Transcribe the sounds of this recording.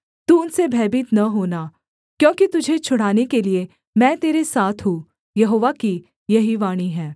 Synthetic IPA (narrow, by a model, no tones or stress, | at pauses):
t̪uʊnsebʱɛːbɪt̪nɐɦoːna | kjõːkit̪ʊd͡ʒʱet͡ʃʰʊɽ̤aːnekelie | mɛ̃ːt̪eːɾesaːt̪ʰɦũ | jɐɦoːʋaki | jɐɦiʋaːɽ̃iɦɛ̃ː